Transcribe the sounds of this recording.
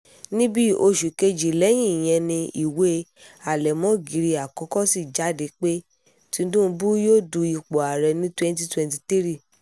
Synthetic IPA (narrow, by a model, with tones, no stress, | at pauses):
nĩ˦bi˦o˧ʃu˨ke˧d͡ʒi˨lɛ˨˦j̃ĩ˦˨j̃ɛ̃˧nĩ˧i˨we˦ | a˨lɛ˨mɔ̃˦ɡi˨˦ɾi˧a˨kɔ̃˨˦kɔ˦si˦˨d͡ʒa˨˦de˨˧˦k͡pe˦ | tĩ˧˦dũ˦˧˦bu˦jo˦˨du˧i˨˧˨k͡po˨a˨ɾɛ˧nĩ˦twɛ̃˦n˦t̬i˦twɛ̃˧nti˧ti˦ɾi˦˨